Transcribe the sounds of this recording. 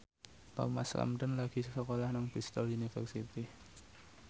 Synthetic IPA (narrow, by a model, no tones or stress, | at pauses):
t̪a̰masla̰mt̪ənlaɡ̥i̤ssəkolahnaŋb̥ist̪ɔlunifɛrsit̪i